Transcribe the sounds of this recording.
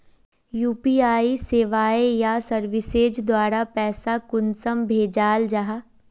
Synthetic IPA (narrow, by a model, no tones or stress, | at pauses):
juːpiːaːiseːʋaːejasəɾʋɪseːd͡ʒd̪waːɾapɛːsakʊnsəmbʱeːd͡ʒaːld͡ʒaɦa